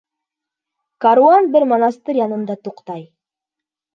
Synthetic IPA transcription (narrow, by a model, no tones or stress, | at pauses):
kaɾuanbɘɾmɑnɑst̪ɤjɑnɤ̆nd̪ɑt̪uqt̪ɑj